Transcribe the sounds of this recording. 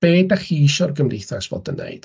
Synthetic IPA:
b̥eːdaχiiʃɔrɡəmreθasvo̰ːdənːḛjd̥

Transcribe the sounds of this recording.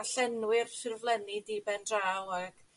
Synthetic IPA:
aɬɛnwɪrsɪrvlˠɛnidibɛndraːwaɡ̥

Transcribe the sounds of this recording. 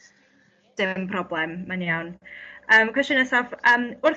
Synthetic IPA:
d̥ɪmpʰrɔblˠɛmːanjawnəːmkʰwɛstənəsavəːmʊrθ

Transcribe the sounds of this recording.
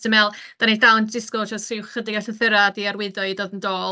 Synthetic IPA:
əmɛlˠd̥anidawndɪskɔt͡ʃɔstrɪwχədɪɡaɬəθɪɾadiaɾwɪdɔɨdoːdəndoːl

